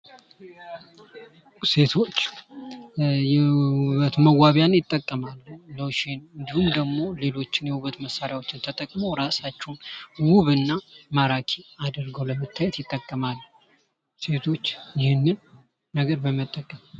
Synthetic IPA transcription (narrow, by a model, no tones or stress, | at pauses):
se̞t̪ʰo̞t͡ʃː | jɛuβət̪məwaβjanjɪt̪ʼːəkʼːəmalːloʃenɨnd̪ihumd̪əɡmo̞le̞lo̞t͡ʃːɪnjɛwuβət̪məsːaɾjawo̞t͡ʃːɪnt̪ʰət̪ʼəkʼmowɾasat͡ʃːɛwnwuβɨnːamaɾakʰiad̪əɾɡəwləmət̪ʰːajɛt̪jɪt̪ʼːəkʼːəmalː | se̞t̪ʰo̞t͡ʃːjɪhɪnːɨnː | əɡəɾbəmət̪ʼːəkʼːəm